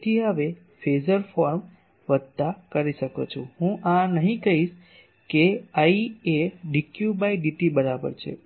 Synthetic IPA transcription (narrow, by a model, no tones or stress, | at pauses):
t̪ʰiɦəʋe | fezəɾfɔɾm | ʋəd̪̚t̪akəɾiʃəkot͡ʃʰũɦũʔãnəɦĩkəɦiʃ | keaieɖikjubaiɖiʈibəɾabə̰ɾt͡ʃʰḛ